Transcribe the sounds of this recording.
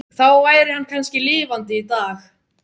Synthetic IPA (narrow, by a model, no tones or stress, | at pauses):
θawvaːjɾɪhanːkʰanscɪliːvant̪ɪit̪aːx